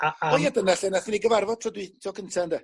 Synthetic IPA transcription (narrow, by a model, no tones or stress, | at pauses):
aɔjadənaɬənaθiniɡəvarvɔd̚tʰr̥ɔdwɪtʰɔɡəntʰandə